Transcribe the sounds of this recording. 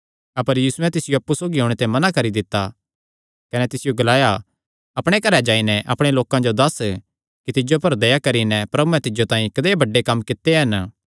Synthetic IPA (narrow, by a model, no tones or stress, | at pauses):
ɐpəɾjiːsʊɛ̃t̪ɪsɪjoɐpːusoːɡiɦoːɽ̃et̪emɐnakɐɾid̪ɪt̪ːa | kɐnɛt̪ɪsɪjoɡɐlaːja | ɐpɽ̃ekɐɾɛd͡ʒaːinɛʔɐpɽ̃eloːkãd͡ʒod̪ɐs | kit̪ɪd͡ʒopɐɾd̪ɐjakɐɾinɛpɾɐbuɛ̃t̪ɪd͡ʒot̪ãːĩkɐd̪eːbɐɖːekɐmːkɪt̪ːeɦɐn